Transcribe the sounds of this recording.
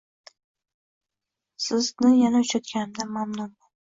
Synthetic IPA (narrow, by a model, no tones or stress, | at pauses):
sɪznɪjanaʊt͡ʃat̪̚kʲʰanɪmd̪amamnʊn